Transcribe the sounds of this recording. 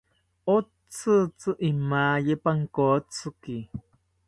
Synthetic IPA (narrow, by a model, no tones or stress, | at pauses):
o | t͡sɨt͡sɨʔimaːjepaŋkoːt͡sɨki